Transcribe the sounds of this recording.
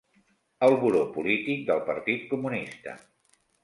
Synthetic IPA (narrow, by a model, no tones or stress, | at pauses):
əlˠβuɾopulit̪ik̚d̪əlˠpəɾt̪it̪̚kumunist̪ə̰